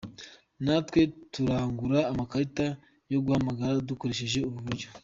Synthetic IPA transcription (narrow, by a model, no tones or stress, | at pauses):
natkwe̞tuɾaːŋɡuɾaːmakaɾita | jo̞ɡuhamaɡaɾaduko̞ɾe̞ʃe̞ʒe̞uβuβuɾɟo